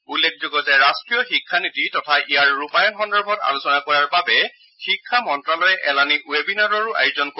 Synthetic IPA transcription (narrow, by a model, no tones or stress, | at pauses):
ulːek̚ʰzoɡɔzɛɹastɹijɔxikʰːanititɔtʰaʔijaɹːupajɔnxɔndɔɹbʱɔta̰lusɔnakɔɹaɹbabɛ | xikʰːamɔntɹalɔɹɛʔɛlaniwebinaɹɔɹʊʔa̰jzɔnk